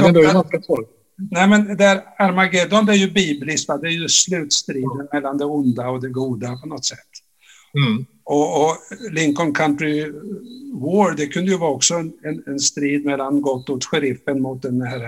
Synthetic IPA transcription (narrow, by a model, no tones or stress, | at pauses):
d̪ɛasasɔ | nɛmɛnd̪ɛæɾaɾmaɡed̪ɔnd̪ɛæɾjɵbiːblɪsk̪vad̪ɛːɾjɵslʉ̟ːt̪st̪ɾiːd̪ənmɛlːand̪ɛʊnd̪aɔd̪ɛɡuːd̪apʰɔnɔt̪sɛt̪ː | ɔːlɪŋkɔnkʰant̪ɾɪ | woːɾd̪ɛkʰɵnd̪əjɵvɑːɔksɔɛnɛnɛnst̪ɾiːd̪mɛlːanɡɔt̪ːɔkɧɛɾɪfːənmʊt̪̚d̪ɛnhæːɾ